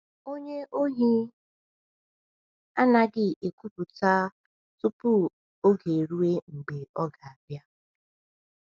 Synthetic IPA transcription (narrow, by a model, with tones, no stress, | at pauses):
o˦ɲe˦ʔo˦ɦi˦ | a˦na˦ɡɪ˦e˨kʷu˦pu˨ta˦ | tʊ˦pʊ˦ | o˦ɡe˨ɾu˦e˦ŋ͡m̩˨ɡ͡be˨ɔ˦ɡa˨a˨bja˦